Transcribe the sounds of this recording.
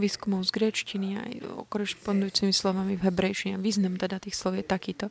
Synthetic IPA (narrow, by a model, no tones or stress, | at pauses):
ʋiːskumɔʊzɡɾɛt͡ʃcinia̰jɔ̰kɔɾɛspɔnd̪ujuːt͡simislɔʋamivɦɛbɾɛjʃiɲɛaʋiːznamt̪ɛd̪at̪iːxslɔʊjɛt̪akiːt̪ɔ